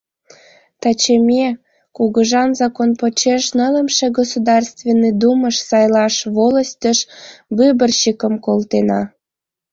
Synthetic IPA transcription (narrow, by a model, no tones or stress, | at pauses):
t̪ɑt͡ɕemʲe | kuɣəʒɑnzɑkonpot͡ɕeʃnələmʃeɡosud̪ɑrst̪venːid̪uməʃsɑjlɑʃβoləst̪ʲəʃbybərɕikəmkolt̪enɑ